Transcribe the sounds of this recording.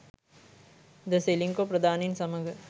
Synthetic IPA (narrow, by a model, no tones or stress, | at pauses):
d̪əseːliŋkopɾɐd̪aːninsɐməŋɡ